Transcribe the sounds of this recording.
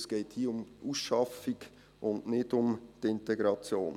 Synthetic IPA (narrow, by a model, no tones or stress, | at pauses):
sɡ̥eɪthiːʊmuːsʃɑfiɡ | ʊnnɪdʊmt̪ɪntɛɡɾɑt͡sjoːn